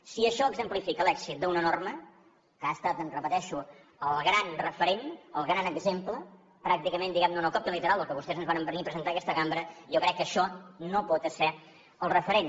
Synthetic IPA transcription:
siəʃɔəɡzəmplifikəlɛkz̥it̪̚d̪əunənormə | kəaəst̪at̪ənrəpət̪ɛʃu | əlˠɣɾanrəfəɾenəlˠɣɾanəɡzemplə | pɾak̚t̪ikəmẽnd̪iɣɛmnunəkɔp̚t̪əlit̪əɾalˠəlˠkəβust̪ɛzənzβaɾəmbənipɾəzənt̪akɛst̪əɣambɾəijokɾɛkːəʃɔnopɔt̪əsɛ | əlˠrəfəɾen

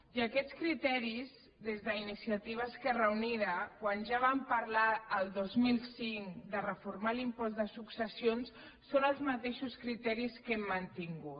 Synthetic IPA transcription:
iəkɛtt͡skɾit̪ɛɾiz | ðezðəinisiət̪iβ̞əːskɛrəwniɾəkwanʒaβ̞ampəɾlaəlˠd̪ozmilˠsiŋd̪ərəfuɾmalimpɔzd̪əsuksəsions | sonəlˠzmət̪eʃuskɾit̪ɛɾiskɛmːənt̪iŋɡu

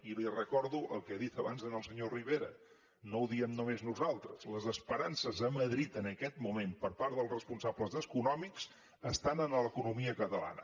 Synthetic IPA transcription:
ilirəkɔɾðuʔəlˠkɛaðit̪əβa̰nzðənəlˠsəɲoriβ̞eɾə̰ | nowðiəmnumeznuzalˠt̪ɾəz̥ləzəspəɾansəzəməðɾit̪ənəkɛt̪mumempəɾpaɾðəlˠzrəspunsabləzðəskunɔmiks | əst̪anənələkunumiəkət̪əla̰nə̰

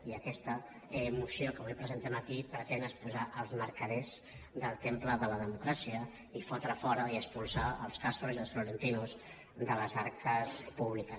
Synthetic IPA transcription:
iəkɛst̪ə | əmusiokəβujpɾəzent̪əmət̪ipɾət̪enəspuzaʔəlˠzməɾkəðɛz | d̪əlˠt̪empləðələðəmukɾasiə | ifɔt̪ɾafɔɾəiəspulˠsaəlˠskast̪ɾuziəlsfluɾənt̪inuz | d̪ələzaɾkəspuβlikə

